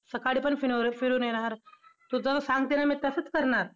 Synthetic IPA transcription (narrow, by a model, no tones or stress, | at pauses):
səkaɽipəɳfiɽoɾfiɽuneñaɾt̪ud͡zəssãŋɡ̚t̪enamit̪əsət͡skəɾɳaɾ